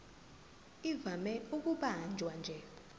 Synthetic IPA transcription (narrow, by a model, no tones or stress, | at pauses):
ivamɛuk̬uɓand͡ʒʱwand͡ʒʱɛ